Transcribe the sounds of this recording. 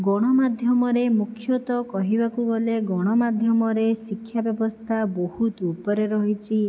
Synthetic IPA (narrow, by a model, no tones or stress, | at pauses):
ɡɔɽ̃ɔmad̪ʱjɔmɔɾemukʰjɔt̪ɔkɔɦibakuboleɡɔɽ̃ɔmad̪ʱjɔmɔɾesikʰːjabjɔbɔst̪ʰabohut̪upɔɾeɾɔɦit͡ʃʰi